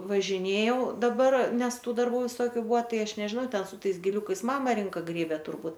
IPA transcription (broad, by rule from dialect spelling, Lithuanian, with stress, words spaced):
ʋɐʒʲɪˈnʲeːjɛʊ dɐˈbɐr ˈnʲɛs ˈtuː dɐrˈbuː ʋʲɪˈsoːkʲʊ ˈbʊɐ ˈtɐɪ ˈɐʃ nʲɛʒʲɪˈnɐʊ ˈtʲɛn sʊ ˈtɐɪs ɡʲɪˈlʲʊkɐɪs ˈmɑːmɐ ˈrʲɪŋkɐ ˈɡrʲeːbʲɛ tʊrˈbuːt